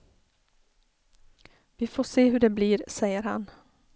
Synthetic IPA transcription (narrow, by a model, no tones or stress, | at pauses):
vɪfoːʂeːɦɵɖɛbliːɾsɛjːəɾha̰n